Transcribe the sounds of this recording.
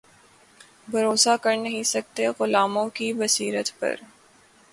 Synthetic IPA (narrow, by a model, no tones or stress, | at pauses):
bʱɐɾoːsakɐɾnɐɦĩsɐk̚t̪eɣʊlaːmõkibɐsiːɾət̪pɐ̰ɾ